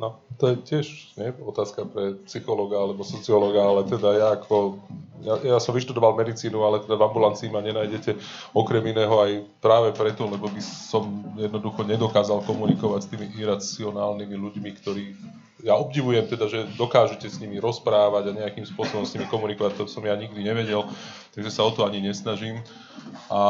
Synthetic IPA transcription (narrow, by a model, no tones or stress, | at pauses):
nɔt̪ɔjɛcɪɛʃɲɛɔt̪aːskapɾɛpsixɔlɔɡaalɛbɔsɔt͡siɔlɔɡaalɛt̪ɛd̪ajaːkʰɔjajasɔmʋiʃt̪ud̪ɔʋalmɛd̪it͡siːnualɛt̪ɛd̪avambulant͡siːmaɲɛnaːjɟɛcɛɔkɾɛminɛːɦɔajpɾaːʋɛpɾɛt̪ɔlɛbɔbisɔmjɛd̪nɔd̪uxɔɲɛd̪ɔkaːzalkɔmunikɔʋacst̪iːmiʔiɾat͡siɔnaːlnimiluɟmikt̪ɔɾiː | jaɔbɟiʋujɛmt̪ɛd̪aʒɛd̪ɔkaːʒucɛsɲimiɾɔspɾaːʋaɟaɲɛakiːmspʊɔsɔbɔmsɲimikɔmunikɔʋac̚t̪ɔsɔmjaɲiɡd̪iɲɛʋɛɟɛlt̪aɡʒɛsaɔt̪ɔaɲiɲɛsnaʒiːm | ʔa